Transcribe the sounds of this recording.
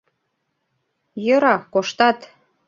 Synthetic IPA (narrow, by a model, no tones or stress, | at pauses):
jɤ̆ɾɑkoʃt̪ɑt̪